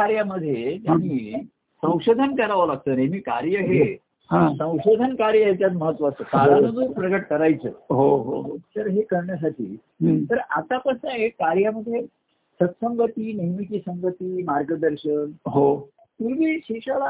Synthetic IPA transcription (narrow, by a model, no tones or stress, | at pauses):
aɾjaməd̪ʱːjed͡ʑjaniː | sə̃w̃ʂod̪ʱənkəɾaʋəlaɡ̚t̪əːɾemiːkaɾjəɦe | hãsə̃w̃ɕod̪ʱənkaɾjəjt͡ɕjat̪məɦət̪ːʋəasəkaɾɦanəd͡zupɾəɡəʈkəɾajt͡sə̰ːɦoɦoɦosəɾɦekəɾɳjəs̬aʈḭː | t̪əɾat̪apəsnə̃ekaɾjaməd̪ʱje | sət̪səmʋət̪iːnəjmikisə̃mʋət̪iːmaɾɡəd̪əɾɕənɦo | t̪uʋiːɕiʂala